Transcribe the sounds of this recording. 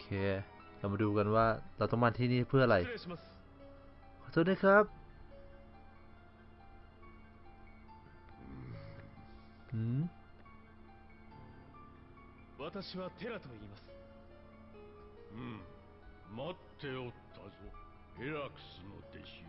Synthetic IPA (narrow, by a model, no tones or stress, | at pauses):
kʰeː | lamaduːkanwaːlaːt̪ɔŋmaːnt̪ʰiːniːpʰɯɐʔalajɾaɕimasɨ̥ | kʰːsot̚naːkʰap̚ | ɯː | βat̪aɕiβat̪ʰe̞ɾat̪oiːmasɨ̥ | mat̪ʰːe̞ot̪ʰːao | eɾakɯ̥sɨno̰d̪ḛɕ